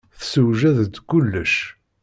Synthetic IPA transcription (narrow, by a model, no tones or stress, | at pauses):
θsəwʒæðəd̪kʊlːəʃ